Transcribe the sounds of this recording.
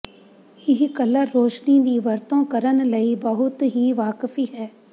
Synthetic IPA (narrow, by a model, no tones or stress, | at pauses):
ɪɦkɐləɾːoːʃnid̪iːʋɐɾt̪õkɐɾənlɐibɐɦʊt̪ɦiʋaːkfiɦɛː